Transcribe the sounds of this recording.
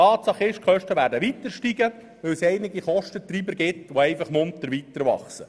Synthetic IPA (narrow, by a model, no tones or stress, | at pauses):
ɑːtsɑχɪʃkχœʃtəʋæːɾdəʋit̪əɾʃtiɡə | ʋɵwsɛɪnɪɡiχɔʃtət̪ɾiːbəɾɡɪt̪ʋoɛɪfɑχmʊnt̪əɾʋit̪əɾʋɑ̰χsə